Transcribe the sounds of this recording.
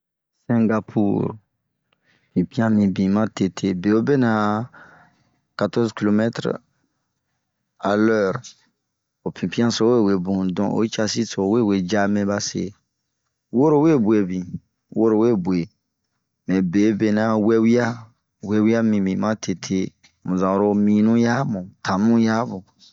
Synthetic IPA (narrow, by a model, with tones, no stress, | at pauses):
sɛ̃˨ŋɡa˧pʰṵ˦˨ɾ | pĩ˨pĩ˦ã˦mĩ˨bĩ˨mã˦te˨tʰe˦be˨o˦be˦nã˨ | ka˨tɔ˦zki˨lo˨mɛ˦t̪ɾ | a˨lɛ˦˨ɾ | o˨pĩ˨pĩ˦ã˦so˦we˦˨we˨bũ˨dɔ̃˨ʔo̰˨˦t͡ʃa˧si˦so˨˦we˦˨we˨d͡ʒa˦mɛ̃˦ba˦sḛ˨ | wo˦ɾo˦we˦˨bu˨e˨bĩ˨ | wo˦ɾo˨we˦˨bu˨e˨ | mɛ̃˨be˨˦be˨nã˦wɛ˦wi˦a˦ | wɛ˦wi˦a˦mĩ˨mĩ˨mã˦tʰe˨tʰe˦ | mũ˨zã˨ɾo˧mĩ˨nũ˦ja˦mũ˨tʰã˨mũ˦ja˦bũ˨